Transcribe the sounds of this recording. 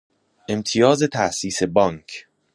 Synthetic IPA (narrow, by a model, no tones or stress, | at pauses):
ʔe̞mt̪ʰijɒːzet̪ʰæʔsiːse̞bɒːŋkʰ